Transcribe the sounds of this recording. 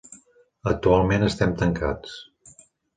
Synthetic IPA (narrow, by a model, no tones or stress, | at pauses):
ək̚t̪ualˠmenəst̪ɛmt̪əŋkat͡s